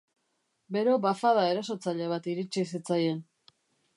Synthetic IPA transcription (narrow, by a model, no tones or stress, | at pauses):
be̞ɾo̞bafaðae̞ɾaso̞t͡saʎe̞β̞at̪iɾit͡ʃis̬it͡saje̞n